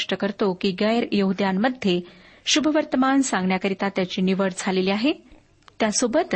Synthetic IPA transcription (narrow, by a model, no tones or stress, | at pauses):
ʂʈəkəɾt̪okiːɡəjəɾjəɦud̪jamːəd̪ʱje | ɕubʱəʋəɾt̪əmansãŋɡɳjakəɾit̪at̪jat͡ɕiːniʋəɽd͡zʱaleliaɦe | t̪jasobət̪